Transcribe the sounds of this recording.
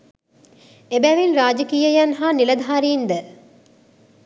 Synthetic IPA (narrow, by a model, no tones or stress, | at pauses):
ebæʋinɾaːd͡ʒɐkiːjɐjɐnɦaːnilɐd̪ʱaːɾiːnd̪ə